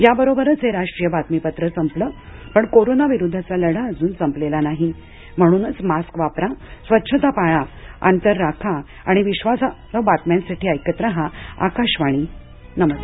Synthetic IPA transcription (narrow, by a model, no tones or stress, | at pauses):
jabəɾobəɾət͡seɾaʂʈɾijəbʱat̪mipət̪ɾəsəmpləːpəɳkoɾonaʋiɾud̪ʱːat͡saləɽaəd͡zuːnsəmplelanaɦi | m̤əɽ̃uːnət͡smaskʋapɾasʋətːɕʰət̪apaɭa | a̰nt̪əɾːakʰa | aɽ̃iʋiɕʋasaəbat̪mansaʈʰiːəjkət̪ɾəɦãa̰kaɕʋaɽ̃iː | nəmə